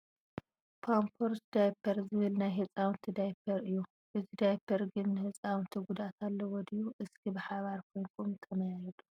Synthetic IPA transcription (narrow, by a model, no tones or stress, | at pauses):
pʰampʰoɾsd̪ajpʰɐɾzɨβɨlnajɦɨt͡sʼawnt̪ʰid̪ajpʰɐɾɨjːu | ʔɨzid̪ajpʰɐɾɡɨnːɨhɨt͡sʼawnt̪ʰiɡud̪at̪ʰalːɐwɔd̪ijuʔɨskʰibɨħaβaɾkʰo̞jnkʰumt̪ʰɐmɐjaɾɐd̪u̥